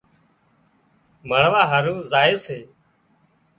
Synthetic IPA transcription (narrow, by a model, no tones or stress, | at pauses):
məɳʋaːɦəɾuːzaːeːseː